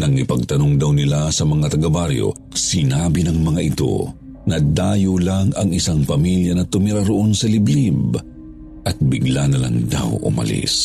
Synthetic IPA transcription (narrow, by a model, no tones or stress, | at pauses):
nɐŋnɪpɐɡ̚t̪ɐno̞ŋd̪ɐwnɪlasɐmɐŋat̪ɐɡabaɾjo̞̰ | sɪnaːbinɐŋmɐŋaʔɪt̪o̞̰ | nɐd̪aːjolaŋɐŋɪsaŋpɐmiljɐnɐt̪ʊmɪɾaɾoʔo̞nsɐlɪblib | ʔɐt̪̚bɪɡlanɐla̰ŋd̪a̰wʔʊ̰mɐ̰lḭs